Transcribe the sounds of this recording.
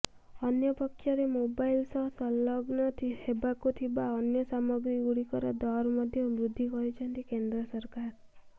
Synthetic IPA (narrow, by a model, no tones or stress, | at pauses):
ɔnjɔpɔkʰːjɔɾemobajlsɔɦsɔlɔɡnɔt̪ʰihebakut̪ʰibaɔnjɔsamɔɡɾiɡuɽikɔɾɔd̪ɔɾmɔd̪ʱjɔbɾud̪ʱːikɔɾit͡ʃʰɔnt̪ikend̪ɾɔsɔɾkaɾ